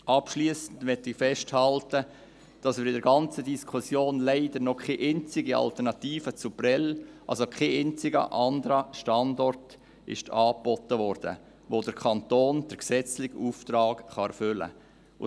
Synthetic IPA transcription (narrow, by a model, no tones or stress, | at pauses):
ɑpʃliːsən̩dʋɛtːɪfɛʃthɑltə | d̥ɑsmɪɾɪdəɾɡɑnt͡sədiskʰusjoːnleɪdəɾnɔkʰeʔent͡sɪɡiɑ̰ltəɾnɑtiːfət͡supɾɛlʔɑ̰lsokʰeent͡sɪɡə̰ʔɑndəɾəʃtɑndɔrt | ɪ̰ʃtʰɑːpb̥ɔtːəʋɔɾd̥ə̰ | ʋoːdəɾkʰɑntoːnd̥əɾksɛt͡slɪxuːftɾɑːkχɑɛɾfʏlə̰ | ʊ